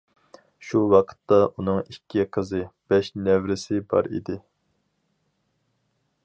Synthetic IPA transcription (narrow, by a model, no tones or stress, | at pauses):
ʃuwɑqʰə̥t̪ːɑʔunɨŋikʲʰːiqʰəzɨb̥ɛʃnɛwɾɪsɪbɑ̰ɾḭd̪ɪ